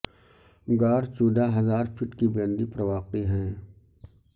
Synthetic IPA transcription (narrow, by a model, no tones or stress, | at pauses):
ɡaːɾt͡ʃuːd̪aɦɐzaːɾfʰɪʈkibɾə̃nd̪ipɾɐʋaːqiɦɛ̃ː